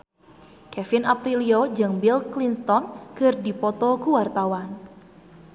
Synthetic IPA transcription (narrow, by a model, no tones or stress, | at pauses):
kɛfɪnapɾiliod͡ʒəŋbilklinst̪ɔnkɨrdipɔt̪ɔkuwart̪awan